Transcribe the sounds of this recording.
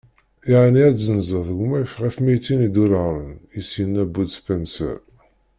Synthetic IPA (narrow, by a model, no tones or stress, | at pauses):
iʕniæt͡szənzəðˤɡmæjəfʁifmijt̪ːinid̪uɾəɾˤənisiənːæbud̪spænsæ̰ɾ